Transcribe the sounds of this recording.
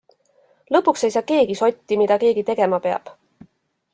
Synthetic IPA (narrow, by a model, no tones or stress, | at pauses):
lɤpːˑukse̞jsɑːke̞ːɡ̥iso̞t̪ʲːimid̪̥ɑke̞ːɡ̥it̪e̞ɡ̥e̞mɑpe̞ɑ̰b̥